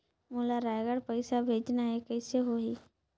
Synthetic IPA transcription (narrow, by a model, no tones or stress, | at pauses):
mʊlaɾajɡəɽpəɪsabʱeːd͡ʒnaɦekɛɪseɦoɦiː